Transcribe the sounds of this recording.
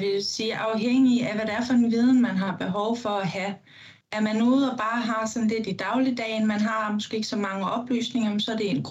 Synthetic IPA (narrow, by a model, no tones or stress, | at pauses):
ʋe̝lsiːʔɑ̈ʊɦeŋ̰iæʋæɾeæɐfɒ̽d̥enʋið̞ˠn̩mænɦɑ̈b̥e̝ɦɒʊfɒ̽æhæ | ʔæɐmænuð̩ˠɒb̥ɑ̈ːɦɑ̈sɒ̽n̩le̝d̥id̥ɑ̈ʊlid̥ɛ̰ɪnmænɦɑ̈musɡ̥ee̝ɡ̥əsɒ̽mɑ̈ŋəʔɒ̽b̥ly̰ːsne̝ŋɐmemsɒ̽æɐd̥e̝enɡ̥